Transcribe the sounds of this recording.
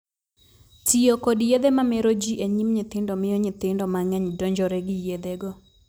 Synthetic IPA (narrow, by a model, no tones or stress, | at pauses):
tiokɔdjed̪emamɛɾod͡ʒiʔeɲimɲɪt̪ɪndɔmɪjoɲɪt̪ɪndɔmaŋɛɲdɔɲd͡ʒɔɾɛɡɪjed̪ɛɡɔ